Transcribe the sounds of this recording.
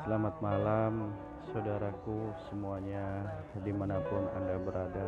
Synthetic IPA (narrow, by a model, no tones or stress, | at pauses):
səlamat̪̚malam | sawdaɾakusəmuaɲadimanapʊna̰ndabəɾada